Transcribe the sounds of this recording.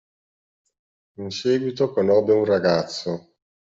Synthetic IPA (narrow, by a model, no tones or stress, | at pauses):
insɛːɡwit̪okonɔbːeunraɡat̪sːo